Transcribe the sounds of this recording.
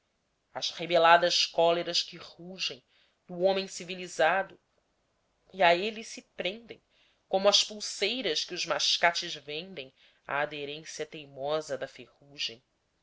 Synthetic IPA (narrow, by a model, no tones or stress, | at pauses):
ɐzhebelad̪ɐʃkɔleɾɐʃkɪhuʒẽj̃ | d̪uõmẽj̃sivilizad̪ʊ | iaelisɪpɾẽnd̪ḛ̃j̃ | kõmʊɐspuwsejɾɐskɪʊzmaʃkat͡ʃɪzvẽnd̪ẽj̃ | a̰ːd̪eɾẽsiɐt̪ejmɔzɐd̪ɐfehuʒḛ̃j̃